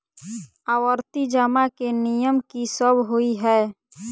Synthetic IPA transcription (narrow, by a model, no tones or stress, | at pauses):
aːwəɾt̪id͡ʒaːmakenijəmkisəbʱɦoiɦɛː